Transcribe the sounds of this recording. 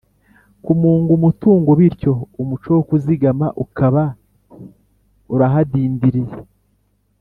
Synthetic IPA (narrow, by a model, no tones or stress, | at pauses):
kumuːŋɡumutuːŋɡoβiɾco̞umut͡ʃowokuziɡamaʔukaβa | uɾaɦadiːndiɾije